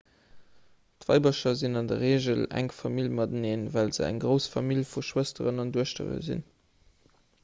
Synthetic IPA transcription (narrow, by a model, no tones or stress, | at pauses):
tvɑ̰ɪbəʃɐzinɑndəʁeːʒəlæ̰ŋfɑmilmɑdəneːnvælzəæ̰ŋɡʁəʊsfɑmiljfuʃwəstəʁənɑnduəʃtə̰ʁə̰zḭn